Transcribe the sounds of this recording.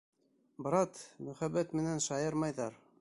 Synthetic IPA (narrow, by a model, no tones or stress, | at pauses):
bɤ̆ɾɑt̪mɵ̆χæbæt̪mɘ̆nænʃɑjɤɾmɑjðɑɾ